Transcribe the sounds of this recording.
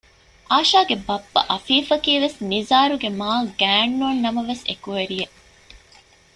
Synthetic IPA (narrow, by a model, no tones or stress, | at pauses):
ʔaːʃaːɡebɐbːɐ̰ʔɐfiːfɐkiːʋesnizaːɾuɡemaːlɡæːɳːunːɐmɐʋesḛkuʋeɾie